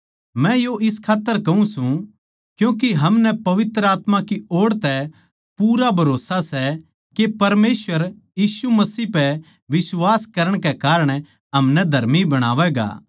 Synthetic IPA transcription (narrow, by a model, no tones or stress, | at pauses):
mɛ̃joʔɪskʰaːt̪ːəɾkɐũsũ | kjũːk̬eɦɐmnɛpɐʋɪt̪ɾəaːt̪mãkioːɽt̪ɛ | puːɾabʱɐɾoːsasɛ | kepɐɾmeːsʋəɾjiːsumɐsiːpɛ | ʋɪswaːskɐɾəɽ̃kɛkaːɾəɽ̃ | ɦɐmnɛd̪ʱɐɾmibɐɽ̃a̰ːʋɛɡa̰ː